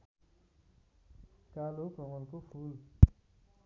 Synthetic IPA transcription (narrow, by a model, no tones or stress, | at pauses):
kalokɔŋɔlkoful